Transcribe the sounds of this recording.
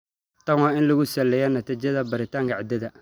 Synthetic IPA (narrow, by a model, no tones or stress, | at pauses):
t̪ɐwaɪnlɐɣʊsɛlːɛjɐnɐt̪it͡ʃɐðɐbɐɾɪt̪ʰaːŋkaʕd̪ɐðɐ